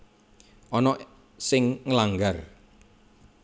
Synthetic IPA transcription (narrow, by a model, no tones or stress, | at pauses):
ʔɔnɔ | sɪŋŋəlaŋɡar